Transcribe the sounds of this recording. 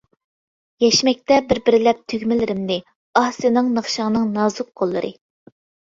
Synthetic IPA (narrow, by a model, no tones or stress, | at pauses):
jɛʃmɛk̚ʲt̪ɛbɪɾbɪɾɪlɛp̚t̪ʰøɡʲmɪlɪɾɪmnɪ | ɑhsɨnɨŋnəχʃɑŋnɨŋnɑːzʊq̚qolˠːɨ̰ɾʔɨ̰